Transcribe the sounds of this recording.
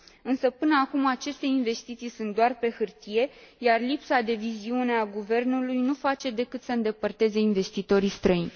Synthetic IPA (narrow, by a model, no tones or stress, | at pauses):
ɨnsəpɨnəakumat͡ʃe̞st̪e̞inve̞st̪it̪sijsunt̪̚d̪oarpe̞hɨrt̪ije̞jarlipsad̪e̞viziune̞aɡuve̞rnulujnufat͡ʃe̞d̪e̞kɨt̪səɨnd̪e̞pərt̪e̞ze̞inve̞st̪it̪o̞ɾist̪ɾəinʲ